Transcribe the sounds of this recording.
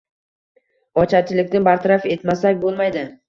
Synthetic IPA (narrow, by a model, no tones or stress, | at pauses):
ɒt͡ʃʰat͡ʃʰɪlɪkʲt̪ɪnbaɾt̪ʰaɾafe̞t̪masakʲbolˠmajd̪ɪ